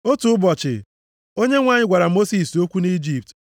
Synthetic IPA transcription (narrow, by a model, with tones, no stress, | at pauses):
o˦tu˨ʊ˦bɔ˨t͡ʃɪ̰˨ | o˦ɲe˦ŋʷa˦ɲɪ˦ɡʷa˨ɾa˨mo˦si˨so˦kʷu˦ni˦d͡ʒi˨p̚t